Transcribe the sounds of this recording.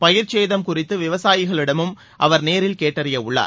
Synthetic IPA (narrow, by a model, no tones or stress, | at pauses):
pɐjɪɾt͡ʃeːðɐmkʊrɪt̪ːɯʋɪʋɐsaːjɪɣɐɭɪɽɐmɯm | ʔɐʋɐɾneːɾɪlkeːʈːɐɾɪjɐʊɭːa̰ː